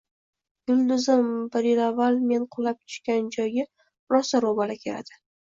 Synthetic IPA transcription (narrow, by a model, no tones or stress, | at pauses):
ɡʊlˠd̪ʊzɪmbɪɾjɪlavːalme̞nqʰʊlap̚t̪ʰʊ̥ʃkʲand͡ʒɒjɡʲa | ɾɒsaɾobalakʲʰe̞la̰d̪̥ɪ